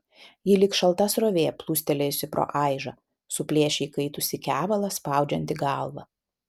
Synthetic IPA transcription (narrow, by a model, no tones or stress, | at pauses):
jɪlʲɪkʃɐlˠt̪ɐsɾoːʋʲeːplˠuːsʲt̪ʲɛlʲeːjʊsʲɪpɾo̰ːʔɑˑɪʒɐ | sʊpʲlʲiɛʃʲɛɪkɐɪt̪ʊsʲɪkʲæːʋɐlˠɐspɑˑʊd͡ʒʲɛnʲt̪ʲɪɡɑˑlˠʋɐ